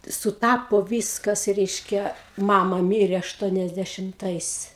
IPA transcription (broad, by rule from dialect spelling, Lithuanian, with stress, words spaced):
sʊˈtɑːpoː ˈʋʲiːskɐs ˈrʲɛɪʃʲkʲɛ ˈmɑːmɐ ˈmʲiːrʲeː ɐʃˌtuɔnʲɛzʲdʲɛʃʲɪmˈtɐɪs